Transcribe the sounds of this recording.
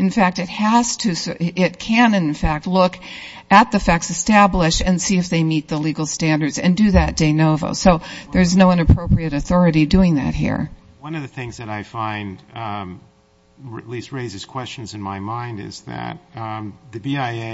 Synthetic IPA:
ɨ̃nfæk̚tɨt̚hæz̥tʰɨsʔɪt̚kʰɨ̃nɨ̃nfæk̚tˡlʊk | ɨt̪̚ðɨfɛksɨstæblɪʃɨ̃nsiɨfðeɪmit̪̚ðəliɡl̩ˠstæ̃ndə˞dz̥ɨ̰̃ndɨðɨt̚d̥eɪnoʊvo̰ʊsoʊðə˞znoʊʌ̃nɨpʰɹ̥oʊpɹiɨɾɨθɔɹɨɾidʉɪ̃ŋðɨ̰t̚hḭɹ | wʌ̃nʌvðɨθɪ̃ŋzðɨɾaɪfãɪ̃n | ɨ̰tˡlist̚ɹeɪzɨz̥kʰw̥ɛst͡ʃɨ̃n̩zɨ̃nmaɪmãɪ̃ndɪ̰zðɨ̰t̪̚ðɨbiaɪ

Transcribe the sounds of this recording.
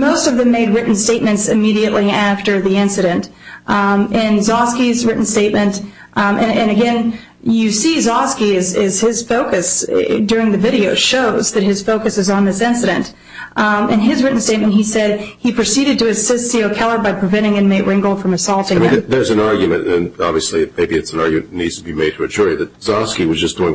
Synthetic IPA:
moʊstʌvðɨ̃mːeɪd̚ɹɪʔn̩steɪt̚mɨ̃ntsɨmiɾiɨʔliæftə˞ðiɪ̃nsɨɾɨ̃nt | ʔɨ̃nzɑskizɹɪʔn̩steɪt̚mɨ̃nt | ʔɨ̃ɨ̃nɨɡɛ̃n | jɨsizɑskiɪzɪz̥ɪz̥foʊkɨsdʊɹɪ̃ŋðɨvɪɾioʊʃoʊzðɨt̚hɨz̥foʊkɨsɨzn̩ðɪsɪ̃nsɨɾɨ̃nt | ɨ̃nɪzɹɪʔn̩steɪt̚mɨ̃nt̚hisɛd̚ipʰɹ̥ɨsiɾɨd̚tʰɨɨsɪstsioʊkʰɛlˠə˞baɪpʰɹ̥ɨvɛ̃ɾ̃ɪ̃ŋɨ̃nmeɪʔɹɪ̃ŋɡl̩ˠfɹʌ̃mɨsɔlˠtɪ̃ŋ̃ðə˞zɨ̃nɑɹɡjɨmɨ̃ntɨ̃nɑ̰bviɨsliɨmeɪbiɨtsn̩ɑɹɡjɨmɨ̰̃nnnːidz̥tʰəbimeɪd̚tʰɨɨd͡ʒʊɹɨðɨt̚z̥ɑskiwʌzd͡ʒʌsd̥uɪ̃ŋ

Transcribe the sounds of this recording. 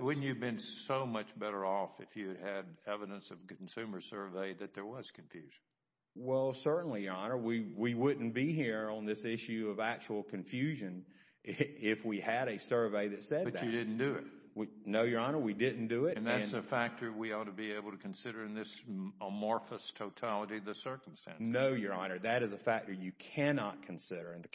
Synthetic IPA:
wʊdⁿn̩t͡ʃɨbɨ̃nssoʊmʌt͡ʃb̥ɛɾə˞ɔfɨfjʉd̚ɨɾɛvɨɾə̃nsʌv̥kʰn̩sʉmə˞sɜ˞veɪðɨt̪̚ðə˞wʌz̥kʰɱfjʉʒ̥n̩ | wɛlˠsɜ˞ʔn̩lijə˞ɑnə˞wiwiwʊdⁿn̩b̥iɦiɹə̃nðɪsɪʃʉʌvæk̚t͡ʃul̩ˠkʰɨ̃ɱfjʉʒɨ̃n | ɪfwiɨɾɨsɜ˞veɪðɨtsɛd̪bʌðɨdɪdⁿn̩d̥ɨɪ̰t̚ | winoʊjə˞ɑnə˞widɪdⁿn̩d̥ɨɪtɨ̃nðætnɨfæk̚tʰə˞wiɔtəbieɪbl̩ˠtʰɨkʰnsɪɾə˞ɨ̃nðɪsəmɔɹfəstʰoʊtʰɑlˠəɾiʌðɨsɜ˞km̩stæ̰̃nnoʊjə˞ɑnə˞ðɨɾɨzəfæk̚tə˞jɨkʰænɑt̚kʰn̩sɪɾə˞ɨ̃nðɨ

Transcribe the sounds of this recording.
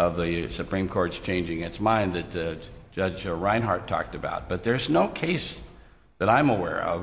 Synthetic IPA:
ʌvðɨsɨpʰɹ̥ĩmkʰɔɹtst͡ʃʰẽɪ̃nd͡ʒɪ̃ŋɨ̃tsmãɪ̃nðɨtd͡ʒ̥ʌd͡ʒɹãɪ̃nɦɑɹtʰɔ̰k̚tɨba̰ʊt̚b̥ʌt̪̚ðə˞znoʊkʰeɪs | ðɨɾãɪ̃məwɛ̰ɹʌ̰v

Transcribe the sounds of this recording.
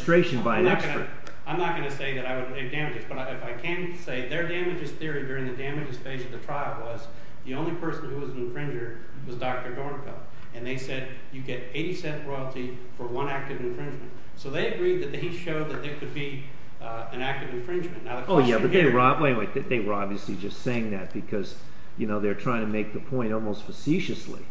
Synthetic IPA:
tɹ̥eɪʃɨ̃n̩baɪɨ̃nɡʌn | ãɪ̃mnət̚ɡ̥ʌnɨseɪðɨɾaɪwɨɾɨdæmɨd͡ʒɨzb̥ʌɾaɪfaɪkʰɨ̃n | seɪðə˞dæmɨd͡ʒɨz̥θɪɹidʊɹɪ̃ŋðɨdæmɨd͡ʒɨz̥feɪd͡ʒʌvðɨtʰɹ̥aɪl̩ˠwʌz | ðiõʊ̃nlipʰɜ˞sn̩huwʌznɨ̃ɱfɹɪ̃nd͡ʒə˞d̚ | wʌzdɑk̚tə˞dɔɹnkʰə̰ | ɨ̃nðeɪsɛd | jɨɡɛɾeɪɾisɛ̃nʔɹɔɪl̩ˠtʰi | fə˞wʌ̃næk̚tɨvɨ̃ɱfɹɪ̃nd͡ʒmɨ̃nt | soʊðeɪɨɡɹid̪̚ðɨt̪̚ðeɪʃoʊd̪̚ðɨt̪̚ðə˞kʰɨd̚bi | ɨ̃næk̚tɨvɨ̃ɱfɹɪ̃nd͡ʒmɨ̃nːaʊðɨkʰoʊjæbʌt̪̚ðeɪwwə˞ɑwẽɪ̃nweɪððeɪwə˞ɑbviɨslid͡ʒʌstseɪɪ̃ŋðɨt̚b̥ɨkʰʌz̥ | jɨnoʊðe˞tʰɹ̥aɪɪ̃ŋtʰɨmeɪk̚ðəpʰɔ̃ɪ̃ntɔlˠmoʊstfəsiʃɨslḭ

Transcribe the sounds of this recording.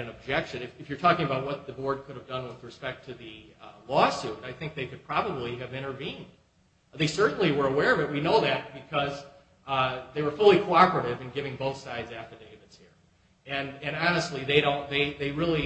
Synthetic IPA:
ɾɨ̃nɨb̚d͡ʒɛkʃɨ̃nɨfɨfjə˞tʰɔkɪ̃ŋəbaʊt̚wʌt̪̚ðɨbɔɹd̚kʰʊɾɨvdʌ̃nwɨðɹɨspɛk̚tʰɨðɨlɔsʉɾaɪθɪ̃ŋk̚ðeɪkɨd̚pʰɹ̥ɑbəbliɨvɪ̃ɾ̃ə˞vĩnd̥ | ðeɪsɜ˞ʔn̩liwə˞əwɛɹʌvɨt̚winoʊðɨt̚b̥ɨkʰʌz | ðeɪwə˞fʊlˠikʰoʊɑpə˞ɨɾɪvɨ̃nɡɪvɪ̃ŋboʊθsaɪdzæftə˞ðieɪvɨtshiɹ | ɨ̃nɨ̃nɑnɨstˡliðeɪɾõʊ̃nðeɪðeɪɹɪlˠi

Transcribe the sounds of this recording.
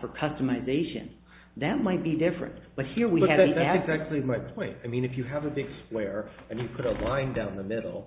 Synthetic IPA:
fə˞kʰʌstəmɨɪzeɪʃɨ̰̃n | ðɨt̚maɪt̚b̥idɪfɹɨ̰̃nb̥ʌt̚hiɹwiʌɨæiðæɨtsæk̚t͡ʃʉl̩ˠimaɪpʰɔ̃ɪ̃ntaɪmĩnɨfjɨəvɨbɪɡ̥skwɛɹɨ̃njɨpʰʊɾəlãɪ̃ndãʊ̃nðəmɪɾl̩ˠ

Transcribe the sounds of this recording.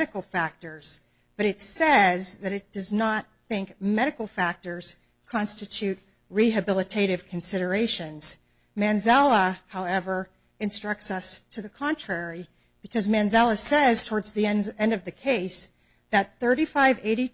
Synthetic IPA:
ɾɨkl̩ˠfæk̚tə˞z̥ | b̥ʌɾɨtsɛzðɨɾɨt̚d̥ʌznət̪̚θɪ̃ŋkmɛɾɨkl̩ˠfæk̚tə˞z̥ | kʰɑ̃nstɨtʰʉt̚ | ɹiɨbɪlˠətʰeɪɾɨv̥kʰɨ̃n̩sɪɾə˞eɪʃɨ̃nz̥ | mæ̃nzælˠəhaʊɛvə˞ | ɨ̃nstɹ̥ʌk̚tsʌstʰɨðɨkʰɑ̃ntʰɹ̥ɛɹi | b̥ɨkʰʌzmæ̃nzælˠəsɛz̥tʰɔɹdzðiɛ̃nɛ̃ndʌvðɨkʰeɪs | ðɨt̪̚θɜ˞ɾifaɪveɪɾi

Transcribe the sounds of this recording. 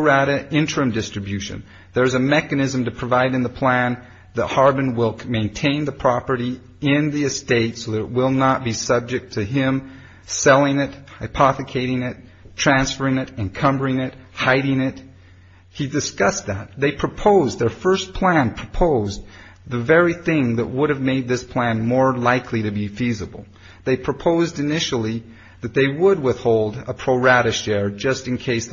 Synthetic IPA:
æɾɨʔɪ̃nt͡ʃɹ̥ɨ̃mdɪstɹ̥ɨbjʉʃɨ̰̃n | ðə˞ɨzɨmɛkɨnɪzɨ̃mtɨpʰɹ̥ɨvaɪɾɨ̃nðəpʰl̥æ̃n | ðət̚hɑɹbɨ̃nwɪlˠmẽɪ̃ntʰẽɪ̃nðɨpʰɹ̥ɑpə˞ɾi | ɪ̃nðiɨsteɪtsoʊðɨɾɨʔ̚wɪlˠnət̚b̥isʌb̚d͡ʒɨk̚tʰɨɪ̃m | sɛlˠɪ̃ŋɪt̚haɪpʰɑθɨkʰeɪɾɪ̃ŋɪtʰ | ɹ̥æ̃nsfə˞ɪ̃ŋɨɾɨ̃nkʰʌ̃mbə˞ɪ̃ŋɪt̚haɪɾɪ̃ŋɪt̚ | hidɨskʌs̚ðæt̪̚ðeɪpʰɹ̥ɨpʰoʊzðə˞fɜ˞spʰl̥æ̃npʰɹ̥əpʰoʊz | ðɨvɛɹiθɪ̃ŋðɨ̰ʔ̚wʊɾɨvmeɪd̪̚ðɪspʰl̥æ̃nmɔɹlaɪkʰliɾɨbifizəbl̩ˠ | ðeɪpʰɹ̥ɨpʰoʊzdɨnɪʃl̩ˠi | ðɨt̪̚ðeɪwəd̚wɪθhoʊlˠdəpʰɹ̥oʊɹæɾɨʃɛɹd͡ʒʌstɨ̃nkʰeɪs

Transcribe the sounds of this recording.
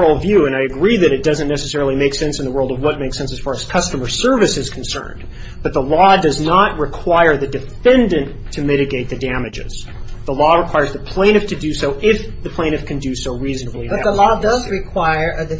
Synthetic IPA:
l̩ˠvjʉɨ̃ñaɪɨɡɹiðɨɾɨt̚d̥ʌzɨ̃nnɛsɨsɛɹl̩ˠimeɪksɛ̃nsn̩ðəwɜ˞lˠdʌvwʌt̚meɪksɛ̃nsɨz̥fɑɹɨz̥kʰʌstəmə˞sɜ˞vɨsɨz̥kʰn̩sɜ̰̃˞n | b̥ʌt̪̚ðəlɔdʌznət̚ɹɨkʰw̥aɪə˞ðɨdɨfɛ̃ndɨ̃n | tʰɨmɪɾɨɡeɪt̪̚ðɨdæmɨd͡ʒɪ̰z̥ | ðəlɔɹəkʰw̥aɪə˞zðɨpʰl̥ẽɪ̃ɾ̃ɨftʰɨdɨsoʊʔɪf | ðɨpʰl̥ẽɪ̃nɨfkʰɨ̃ndɨsoʊɹiznəblˠiʌðəlɔdʌzɹɨkʰw̥aɪə˞ʔɨdɨ

